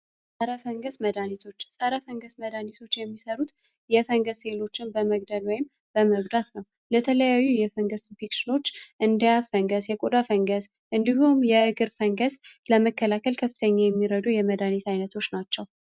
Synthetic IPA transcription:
sʼəɾəfəŋɡəsməd̪anit̪ʰo̞t͡ʃːsʼəɾəfəŋɡəsməd̪anit̪ʰo̞t͡ʃːjɛmːisəɾut̪ | jɛfəŋɡəselo̞t͡ʃːɪnbəməɡ̚d̪əlwɔjɪm | b̥əməɡd̪at̪nəw | lət̪ʰələjajːujɛfəŋɡəsnfikʃɪno̞t͡ʃːʔɨnd̪ijafəŋɡəsjɛkʼod̪afəŋɡəs | ʔɨnd̪ihumjɛɨɡɨɾfəŋɡəsləməkːəlakʰəlkʰəfːɨ̥t̪ʰəɲːajɛmːiɾəd̪ujɛməd̪anit̪ajnət̪ʰo̞t͡ʃːnat͡ʃːɛw

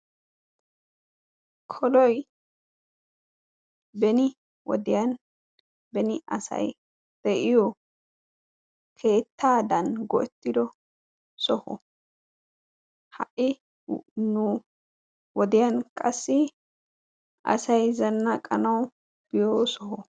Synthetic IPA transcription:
kʰɔlɔj | bɛnɪ | wɔ̰d̪ɪjɐn | bɛnɪʔɐsɐ̰j | d̪̥ɛʔɪjɔ | kʰe̞ːt̪ːaːd̪ɐnɡɔʔɛt̪ːɪd̪ɔ | sɔhɔ̰ | hɐ̰ʔɪ | nu | wɔd̪ɪjɐnkʼɐsːɪ | ʔɐ̰sɐjzɐnːakʼɐnɐw | b̥ɪjoːsɔhɔ

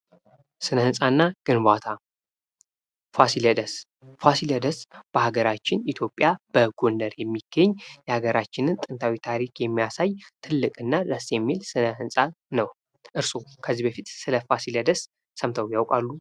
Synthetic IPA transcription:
sɨnəhɨnsʼanːaɡ̥ɨnbat̪ʰa | fasiləd̪əs | fasiləd̪əsb̥əhaɡəɾat͡ʃːɪnit̪ʰjo̞pʼːjab̥əɡondəɾjɛmːiɡ̥əɲːjɛhaɡəɾat͡ʃːɪnɨnt̪ʼɨnt̪ʰawit̪ʰaɾikʰjɛmːijasajt̪ʰɨlːɨkʼɨnːad̪əsjɛmːilsɨnəhɨnsʼa | nəw | ʔɨɾsokʰəzːibəfit̪sɨləfasiləd̪əsː | əmt̪ʰəwjawkʼalːu

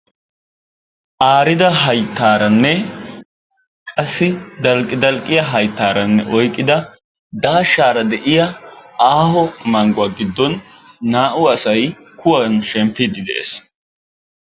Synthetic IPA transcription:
ʔaːɾɪd̪ɐɦɐjt̪ːaːɾɐnːɛ | kʼɐsːɪd̪ɐlkʼːɪd̪ɐlkʼːɪjɐɦɐjt̪ːaːɾɐnːɛʔɔjkʼːɪd̪ɐ | d̪aːʃaːɾɐd̪ɛʔɪjɐaːhɔmɐŋɡʊaɡɪd̪ːɔnː | aːʔʊɐsɐj | kʰʊwɐnʃɛmpːɪd̪ɪd̪ɛʔḛːs

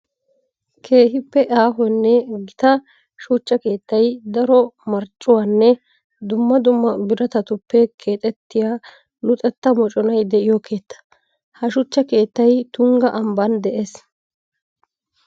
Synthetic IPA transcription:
kʰe̞ːhɪpːɛʔaːɦɔnːɛɡɪt̪ɐ | ʃuːt͡ʃːɐke̞ːt̪ːɐjd̪ɐɾɔmɐɾt͡ʃʼːʊwaːnːɛ | d̪ʊmːɐd̪ʊmːɐbɪɾɐt̪ɐt̪ʊpːɛkʰe̞ːt̪ʼɛt̪ːɪjaː | nʊt̪ʼɛt̪ːɐmɔt͡ʃʼɔnɐjd̪ɛʔɪjɔkʰe̞ːt̪ːɐ̥ | hɐʃʊt͡ʃːɐke̞ːt̪ːɐjt̪ʊŋɡɐʔɐmbɐnd̪ɛʔeːs

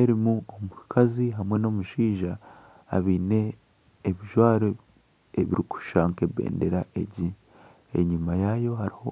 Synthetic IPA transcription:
eɾimuomukaziɦamwe̞no̞muʃiːʒa̰ː | βiːne̞ː | βiʒwaːɾo | eβḭɾiku̥ʃaːŋkeβḛːnde̞ɾaʔe̞ɟi | ḛɲumajajo̞haɾiho̞

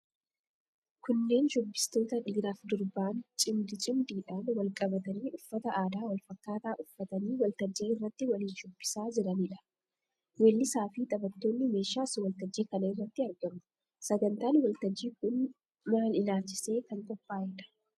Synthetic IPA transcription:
kʊnːe̞ːnʃʊbːɪ̥st̪o̞ːt̪ɐᶑiːɾaːfd̪ʊɾbaːnt͡ʃʼɪmd̪ɪt͡ʃʼɪmd̪iːᶑaːnwɐlkʼɐbɐt̪ɐniːʔʊfːɐt̪ɐʔaːd̪aːwɐlfɐkːaːt̪aːʔʊfːɐt̪ɐniːwɐlt̪ɐd͡ʒːiːɪrːɐt̪ːɪwɐliːnʃʊbːɪ̥saːd͡ʒɪɾɐnɪᶑɐ̥ | wɛlːɪsaːfɪt̪ʼɐbɐt̪ːo̞ːnːɪme̞ːʃaːsʊwɐlt̪ɐd͡ʒːiːkɐnɐɪrːɐt̪ːɪɐɾɡɐmʊ̥ | sɐɡɐnt̪aːnwɐlt̪ɐd͡ʒːiːkʊn | maːlɪlaːlt͡ʃːɪ̥se̞ːkɐŋkʼɔpːaːjɪᶑɐ̥

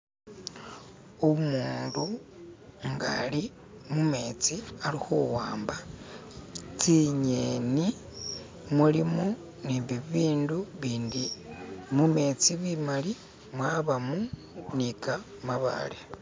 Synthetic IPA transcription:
omuːndu | ŋɡa̰li | mume̞ːt͡sialixuwaːmba | t͡siɲeni | mulimo | niβiβiːnduβiːndimume̞ːt͡siβimali | mwaβamu | nika | maβa̰le

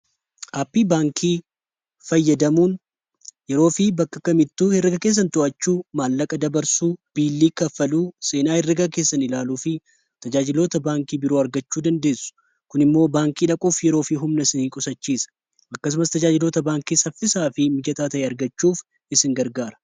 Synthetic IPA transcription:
ʔaːpːiːbaːŋkʰiː | fɐjːɐd̪ɐmuːn | jɛɾo̞ːfɪbɐkːɐkːɐmɪt̪ːuːhɪrːɪɡɐkeːs̬ːɐnt̪ʊʔɐt͡ʃːuːmaːlːɐkʼɐd̪ɐbɐɾsuːb̥iːlːiːkɐfɐluːse̞ːnaːhɪrːɪɡɐke̞ːsːɐnɪlaːluːfɪ | t̪ɐd͡ʒaːd͡ʒɪlo̞ːt̪ɐbaːŋkiːbɪɾo̞ːɐɾɡɐt͡ʃːuːd̪ɐnd̪e̞ːsʊ̥ | kʊnɪmːo̞ːbaːŋkiːᶑɐkʼuːfjɛɾo̞ːfiɦʊmnɐsɪnikʼʊsɐt͡ʃːiːsɐ̥ | ɐkːɐs̬ʊmɐst̪ɐd͡ʒaːd͡ʒɪlo̞ːt̪ɐbaːŋkiːsɐfːɪsaːfɪmɪd͡ʒɐt̪aːt̪ɐʔeːɐɾɡɐt͡ʃːuːf | ɪsɪŋɡɐɾɡaːɾɐ̥

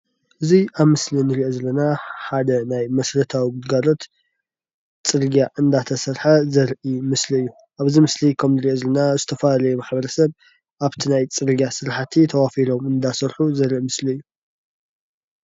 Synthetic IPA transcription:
ʔɨziʔaβmɨslinɨɾiʔozɐlːɐnaħad̪ɐnajmɐsɾɐt̪ʰawiɡɨd̪ɡalo̞t̪ | t͡sʼɨɾɡjaʔɨnd̪at̪ʰɐsɐɾħazɐɾʔimɨsliɨjːu | ʔaβzimɨslikʰɐmnɨɾiʔozɐlɐnazɨt̪ʰɐfɐlalɐjumaħbɐɾɐsɐβ | ʔaβt̪ʰinajt͡sʼɨɾɡjasɨɾħat̪ʰit̪ʰɐwafiɾo̞mɨnd̪asɐɾħuzɐɾʔimɨsliɨjːu

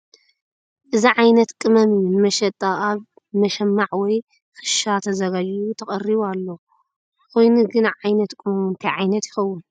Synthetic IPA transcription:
ʔɨziʕajnɐt̪kʼɨmɐmijunɨmɐʃɐt̪ʼaʔaβ | mɐʃɐmːaʕwɔj | xɨ̥ʃat̪ʰɐzɐɡad͡ʒjut̪ʰɐχʼɐriβualːo̞ | kʰojnuɡɨnaʕajnɐt̪kʼɨmɐmunt̪ʰɐjʕajnɐt̪jɪxɐwːʊn

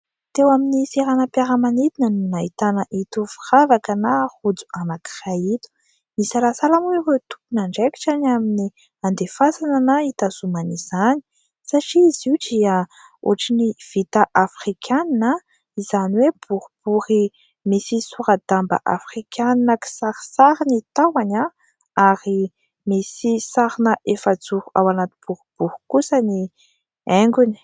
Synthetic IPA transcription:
t̪ewaminiseɾanəpaɾəmanit̪inənunait̪anəʔit̪ufiravakənahud͡zu̥anaki̥rait̪u̥ | misalasalamuivet̪u̥punaɳɖ͡ʐeki̥ʈ͡ʂaniamini | and̪efasananait̪azumaniz̥ani̥ | saʈ͡ʂiiziudia | o̰ʈ͡ʂiniv̥it̪aʔafrikʰaninə | izaniweb̥uɾub̥uɾi | misisuɾad̪ambə̰ʔa̰frikʰʲaninaki̥saɾi̥saɾinit̪awana | aɾi | misisaɾinəʔefəd͡zuɾuawanat̪i̥b̥uɾub̥uɾu̥kusəni | ɛŋɡuni̥

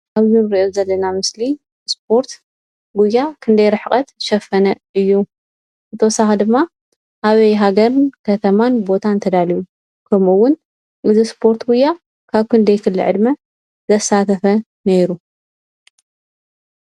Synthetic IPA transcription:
aβzɨnɾiʔozɐlːɐnamɨsli | spʰo̞ɾt̪ | ɡujːakʰɨnd̪ɐjɾɨħkʼɐt̪ʃɐfɐnɐʔɨjːu | zɨt̪ʰɐwsaxd̪ɨmːa | ʔaβɐjɦaɡɐɾnkʰɐt̪ʰɐmanbo̞t̪ʰant̪ʰɐd̪aliju | kʰɐmuwːʊn | ʔɨzispʰo̞ɾt̪ɡujːa | kʰaβkɨnd̪ɐjkʰɨlːɨ̰ʕɨ̰d̪mɐ | zɐsːat̪ʰɐfɐ | neɾu

